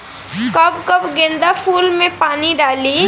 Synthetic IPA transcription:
kɐbkɐbɡẽnd̪apʰuːlmẽpaːniɖaːli

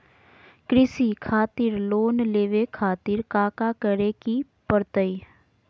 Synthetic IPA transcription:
kɾɪsikʰaːt̪iɾloːnleːʋekʰaːt̪iɾkaːkakəɾeki | pəɾt̪əi

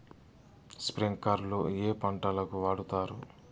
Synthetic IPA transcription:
spɾiŋkɐɾloːeːpɐɳʈɐlɐkuʋaːɽut̪aːɾu

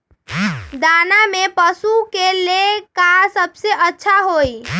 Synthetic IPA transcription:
d̪anamepəsukelekasəbseʔətːʃʰaɦoj

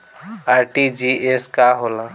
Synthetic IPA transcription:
aːɾʈid͡ʒieskaɦolã

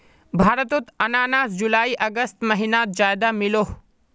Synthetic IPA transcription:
bʱaːɾət̪ʊt̪ɐnaːnaːsd͡ʒulaːiʔɐɡəst̪mɐɦinaːt̪̚d͡ʒaːjd̪amɪloː

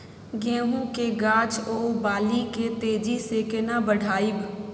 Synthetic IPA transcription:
ɡɛ̃ːɦũkeɡaːt͡ʃoːbaːliket̪eːd͡ʒisekɪnabəɽʱaːib

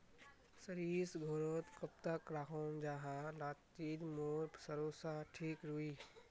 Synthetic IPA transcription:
səɾiːsɡʱoːɾoːt̪kɐp̚t̪akɾaːkomd͡ʒaɦãlaːtt͡ʃiːd̪moːɾpsəɾoːsaʈʰiːkɾuiː

